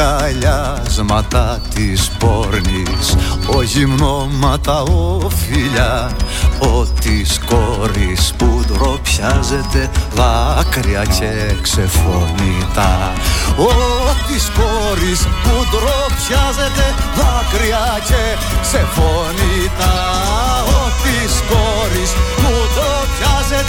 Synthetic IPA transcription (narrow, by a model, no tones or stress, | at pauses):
aʎa | zmɐt̪ɐt̪ispoɾnis | oʝimnomɐt̪ɐofiʎɐ | ot̪iskoɾispud̪ɾopçɐzet̪evɐkɾiɐceksefonit̪a | ot̪iskoɾispud̪ɾopçazet̪ɛvakɾia | ce | ksefonit̪a | ot̪isko | ɾisud̪ɾo | pçaze